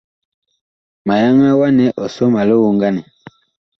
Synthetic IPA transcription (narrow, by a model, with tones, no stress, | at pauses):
ma˨ja˦ŋa˦wa˦nɛ˨ʔɔ˨sɔ˦ma˨lo˦wu˦ŋɡa˦nɛ˨